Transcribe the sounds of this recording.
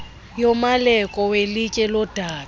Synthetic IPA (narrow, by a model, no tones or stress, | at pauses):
jomalɛkʼɔwelikʼɛlɔd̥ʱaː